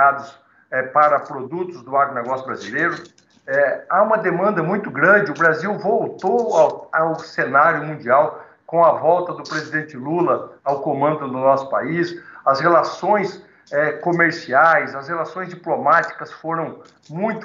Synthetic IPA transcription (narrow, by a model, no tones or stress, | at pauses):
ad̪ʊs | ɛpaɾɐpɾod̪ut̪ʊzd̪ʊaɡɾʊnɛɡɔsjʊbɾazilejɾʊ | ɛaũmɐd̪emɐ̃nd̪ɐmũj̃t̪ʊɡɾɐ̃d͡ʒɪʊbɾaziwvowt̪owawawsenaɾjʊmũnd͡ʒiaw | kõw̃ɐvɔwt̪ɐd̪ʊpɾezid̪ẽnt͡ʃɪlulɐawkõmɐ̃nd̪ʊd̪ʊnɔsʊ̥pa̰isɐshelasõj̃s | ɛkomeɾsiajsɐshelasõj̃zd͡ʒiplomat͡ʃi̥kɐsfoɾɐ̃w̃ | mũj̃t̪